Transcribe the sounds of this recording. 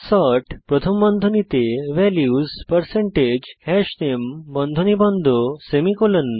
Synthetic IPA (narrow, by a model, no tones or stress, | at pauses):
sɔʈpɾɔt̪ʰəmbɔnd̪ʱonit̪eʋɛljuzpəɾseɳʈed͡ʑhɛʃnembɔnd̪ʱonibɔnd̪ʱosemikolənː